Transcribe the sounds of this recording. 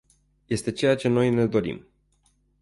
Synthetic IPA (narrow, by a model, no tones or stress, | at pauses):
je̞st̪e̞t͡ʃe̞jat͡ʃe̞no̞jne̞d̪o̞ɾḭm